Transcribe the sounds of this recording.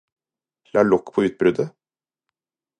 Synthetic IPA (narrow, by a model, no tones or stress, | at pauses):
lɑːɭɔkːpʰoːʉːt̪̚bɾʉd̪ə